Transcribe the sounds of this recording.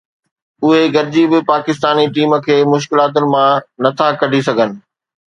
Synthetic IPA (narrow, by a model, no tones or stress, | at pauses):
ʊɦeɡɐɾɪd͡ʑibɪpaːkɪst̪aːniʈiːmə̆kʰeːmʊʃ̬kɪlaːt̪̬ʊnɪ̆mãnɐt̪ʰakɐɖʱisɐɡʱənɪ̆